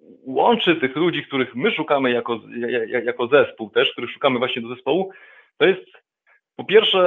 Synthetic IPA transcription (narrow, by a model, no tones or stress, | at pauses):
wɔ̰nt͡ʂɘt̪ɘxlud͡ʑik̚t̪uɾɘxmɘʂukamɘjakɔaajajakɔzɛspuwt̪ɛʂkt̪uɾɘxʂu̥kamɘvwaɕɲɛd̪ɔzɛspɔwu | t̪ɔjɛst̪ | pɔpʲjɛɾfʂɛ